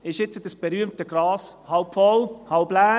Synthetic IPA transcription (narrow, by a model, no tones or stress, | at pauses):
ɪʃɪt͡səd̥əsb̥eɾyəmtəɡ̥ɾɑːshɑlpfɔlhɑlblæː